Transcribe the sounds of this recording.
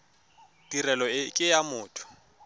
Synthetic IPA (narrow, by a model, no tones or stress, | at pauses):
d̥irɛlɔɪkʼɪjamʊːtʰʊ̥